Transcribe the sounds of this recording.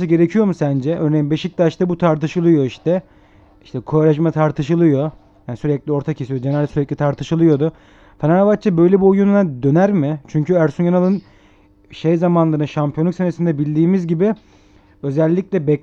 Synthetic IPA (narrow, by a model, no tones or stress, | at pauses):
sɯɟe̞ɾecʰijo̞musænd͡ʒɛʔøːɾnejimbeʃic̚t̪aʃt̪abut̪ʰaɾt̪ɯʃɯlˠɯjo̞iʃt̪ʰɛ | iʃt̪ʰɛkʰoɾaʃ̬mat̪ʰaɾt̪ʰɯʃɯlˠɯjo̞ | jaːnisyɾɛclʲio̞ɾt̪ʰacʰesijod͡ʒenalʲd̪syɾɛc̚ʲlʲit̪ʰaɾt̪ʰɯʃɯlˠɯjo̞d̪ʊ | fenaɾavat̚t͡ʃʰːabø̞jlʲɛbiojununad̪ø̞næɾmɪt͡ʃʰyɲcyæɾsunjanalˠɯn | ʃejzamanlˠɯɾnɯʃampʰijonˠuksenesind̪ɛbilʲd̪iːmizɟibɪ | ø̞zælʲːicʲlʲɛbɛ